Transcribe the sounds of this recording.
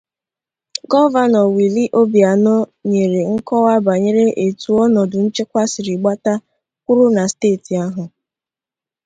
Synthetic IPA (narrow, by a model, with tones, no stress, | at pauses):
ɡɔ˦va˦˨nɔ˨wi˨li˦ʔo˦bja˨nɔ˦ɲe˨ɾe˨ŋ̩˦kɔ˦wa˦ba˨ɲe˦ɾe˦ʔe˨tu˨ɔ˦nɔ˨dʊ˨n̩˦t͡ʃe˦kʷa˦sɪ˨ɾi˨ɡ͡ba˦ta˦ | kʷʊ˦ɾʊ˦na˨steː˦˨ti˨a˦ɦʊ˨